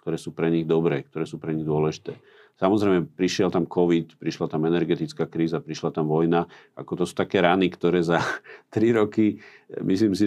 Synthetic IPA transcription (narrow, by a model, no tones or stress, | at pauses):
kt̪ɔɾɛːsuːpɾɛɲiɣd̪ɔbɾɛːk̚t̪ɔɾɛːsuːpɾɛɲiɣd̪ʊɔlɛʒit̪ɛː | samɔzɾɛjmɛpɾiʃɪɛlt̪amkɔʋit̪pɾiʃlat̪amɛnɛɾɡɛt̪it͡skaːkɾiːzapɾiʃlat̪amʋɔjnaa̰kɔt̪ɔsu̥ːt̪akɛːɾanikt̪ɔɾɛːzat̪ɾiɾɔki | misliːmsi